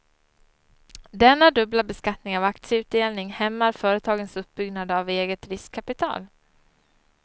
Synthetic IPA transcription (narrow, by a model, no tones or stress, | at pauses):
d̪ɛnːad̪ɵblabɛskat̪nɪŋavak̚t̪sɪəʉ̟ːt̪̚d̪eːlnɪŋhɛmːaɾfœːɾət̪ʰɑːɡənsɵp̚ːbʏɡnad̪əaveːɡət̪ɾɪskʰːapɪt̪ʰɑ̰ːl